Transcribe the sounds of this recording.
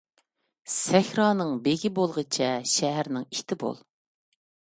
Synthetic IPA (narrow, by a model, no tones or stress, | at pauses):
sɛxʲɾɑːnɨŋbeɡʲibolˠʁət͡ʃʰɛʃɛɦæɾnɪŋit̪ʰɪbo̰lˠ